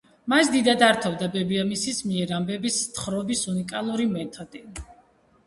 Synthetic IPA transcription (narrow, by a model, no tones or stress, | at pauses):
masd̪id̪ad̪aɾt̪ʰɔvd̪abɛbiamisismiɛɾambɛbist̪ʰχɾɔbisunikʼalˠuɾimɛt̪ʰɔd̪̥i